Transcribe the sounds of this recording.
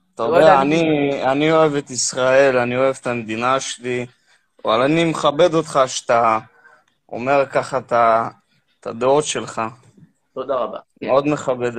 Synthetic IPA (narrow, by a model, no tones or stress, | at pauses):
t̪aod̪eaːnianio̞evet̪isʁae̞lanio̞e̞vet̪amed̪inaʃeli | oalanimeχabe̞d̪o̞t̪χaʃt̪a | o̰me̞ʁkaχat̪a | t̪ad̪eot̪ʃe̞lχa | t̪od̪aʁaba | meo̞d̪meχabe̞d̪